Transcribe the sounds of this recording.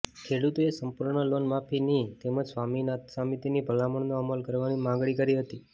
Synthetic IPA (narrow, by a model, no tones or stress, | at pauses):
kʰeɽut̪oesəmpuɾɳəlonmapʰinit̪eməd͡ʒsʋaminat̪samit̪inibʱəlaməɳnoəməlkəɾʋanimãŋɡɭikəɾiɦət̪i